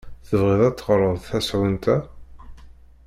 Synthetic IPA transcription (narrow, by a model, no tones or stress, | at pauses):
θəvʁɪðˤæt͡sːəʁɾˤəðˤθæsʕint̪ʰæ